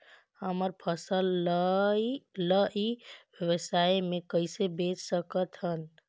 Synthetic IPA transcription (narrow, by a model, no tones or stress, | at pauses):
həməɾpʰəsəl | ləʔibjəwəsaemekəɪsebet͡ʃsəkət̪ɦən